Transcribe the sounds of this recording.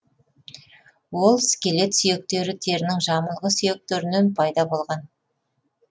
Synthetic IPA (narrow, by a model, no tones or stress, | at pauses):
wo̞lˠsɪ̥kʲe̞le̞t̪sʏje̞k̚t̪e̞ɾɪt̪ʰe̞ɾɪnɪŋʒɑməlˠʁəsʏje̞k̚t̪eɾɪnenpʰɑjd̪ɑbo̞lˠʁɑn